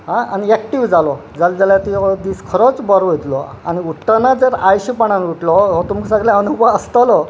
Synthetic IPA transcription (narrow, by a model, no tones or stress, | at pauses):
ɦãaniɛk̚ʈiʋd͡zalɔ | d͡zald͡zaljat̪iɔd̪iskʰəɾɔt͡sbəɾɔet̪lɔ | a̰ñiuʈːanad͡zəɾajɕipaɳ̃anuʈlɔɦot̪umksaɡljãənubaəst̪alɔ